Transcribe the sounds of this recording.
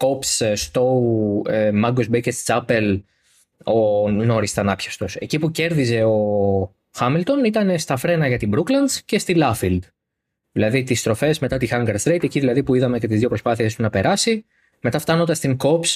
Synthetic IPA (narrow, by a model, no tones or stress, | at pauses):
ko̞psst̪o̞uemɐɡozbejcest͡sɐpe̞l | o̞no̞ɾist̪ɐnɐpçɐst̪o̞se̞cipuce̞ɾðize̞o̞ | xɐmilt̪o̞nit̪ɐne̞st̪ɐfɾe̞nɐʝɐt̪ibɾuklɐnsce̞st̪ilɐfild̪ | ðilɐðit̪ist̪ɾo̞fe̞zme̞t̪ɐt̪ixɐŋɡɐɾst̪ɾejt̪eciðilɐðipuiðɐme̞ce̞t̪izðjo̞pɾo̞spɐθiest̪unɐpe̞ɾɐsi | me̞t̪ɐft̪ɐno̞nd̪ɐst̪iŋko̞ps